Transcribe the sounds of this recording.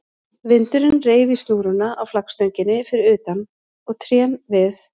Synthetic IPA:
vɪnt̪ʏɾɪnreːjvist̪uːɣɾʏnaʔawflakst̪œɥɲcɪnːɪfɪɾɪɾʏːt̪an | ɔɣt̪ʰɾjɛnvɪθ

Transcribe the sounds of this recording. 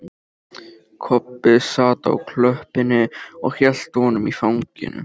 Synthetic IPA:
kʰɔpːɪðsaːt̪a̰wkʰlœhpɪnɪɔ̰ɣçjɛl̥t̪hɔnʏmifawŋcɪ̰nʏ̰

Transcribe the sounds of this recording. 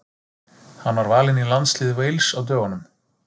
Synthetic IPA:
hanːvaɾvaːlɪnilant̪slɪːðʏvejlsawt̪̬œːɣanʏm

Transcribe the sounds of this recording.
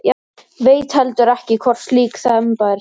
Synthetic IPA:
ja | veːjt̪hɛlt̪ʏɾɛhcɪkʰɔr̥sliːkθɛmpaɾ

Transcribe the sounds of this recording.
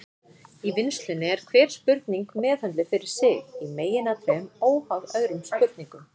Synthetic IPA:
ivɪnst̪lɪnːɪɛɾ̥kʰvɛːɾ̥spʏɾt̪niŋkmɛːðhant̪lɪfɪɾɪɾ̥sɪɣimeːjɪnat̪ʰvɛmoːwhaðœːðɾʏmspʏɾt̪̚niŋkʏ

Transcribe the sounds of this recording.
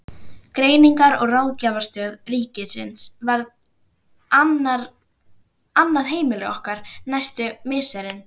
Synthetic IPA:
kɾeːjniŋkaɾɔɣraːwcaːvaɾ̥st̪œːðriːcɪsɪ̰nsvaɾð | na | anːaðɦeːjmɪlɪɣɔhkaɾ̥najst̪ʏmɪːsɛɾɪn

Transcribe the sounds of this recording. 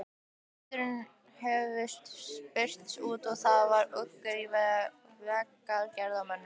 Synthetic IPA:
t̪ɾʏn | hɛvɪst̪spɪr̥t̪suːt̪ɔɣθaðvaɾœkːœɾivɛ | vɛkːalcɛɾðamœnːʏ

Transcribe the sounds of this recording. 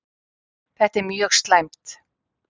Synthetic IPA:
θɛht̪ɛɾmjœːɣst̪lajmt̪

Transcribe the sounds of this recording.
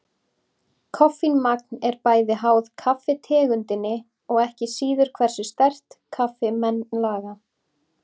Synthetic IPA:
kʰɔfinmak̚nɛɾpaːjðɪɦaːwðkʰafɪt̪ʰɛːɣʏnt̪ɪnːɪ | ɔɣɛhcɪsiːðʏɾ̥kʰvɛr̥sɪ̥st̪ɛr̥t̪kʰafɪmɛnlaːɣa

